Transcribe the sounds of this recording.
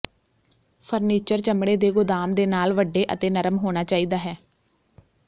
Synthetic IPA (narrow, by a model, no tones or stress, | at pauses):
pʰəɾniːt͡ʃəɾt͡ʃəmɽeːd̪eːɡʊd̪aːmd̪eːnaːlʋəɖːeːʔə̰t̪eːnəɾəmɦoːɽ̃aːt͡ʃaːiːd̪aːɦɛː